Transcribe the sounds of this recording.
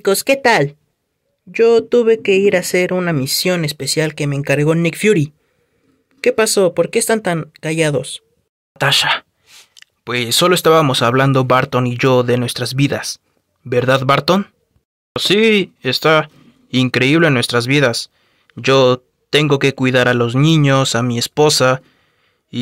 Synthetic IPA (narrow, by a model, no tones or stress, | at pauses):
ko̞ske̞t̪al | ɟ͡ʝo̞t̪uβe̞ke̞iɾase̞ɾunamisjo̞ne̞spe̞sjalke̞me̞ːŋkaɾɣo̞nikfjuɾi | ke̞paso̞po̞ɾke̞est̪ant̪aŋkaʝaðo̞̰s | at̪aʃa | pwe̞sːo̞lo̞e̞st̪aβamo̞saβland̪o̞βaɾt̪o̞niʝo̞ðe̞nwe̞st̪ɾazβiðas | be̞ɾðaðβaɾt̪on | sie̞st̪a | iŋkɾe̞iβlenːwe̞st̪ɾazβiðas | ʝo̞ | t̪e̞ŋɡo̞ke̞kwiðaɾalo̞znĩɲo̞samie̞spo̞sa | i